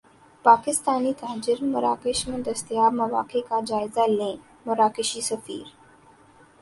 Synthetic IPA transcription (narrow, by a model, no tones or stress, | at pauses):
paːkɪst̪aːniːt̪ʰaɦd͡ʑɪɾmɐɾaːkeʃmənd̪ʱɐst̪jaːmɐʋa̰ːkekad͡ʑaːjzalẽː | mɐɾaːkeʃiːsəfḭːɾ